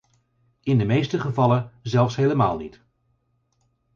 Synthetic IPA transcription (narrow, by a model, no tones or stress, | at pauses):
ɪndəmejstəχəvɑlənzɛlˠfsɦejləma̰ːlˠnit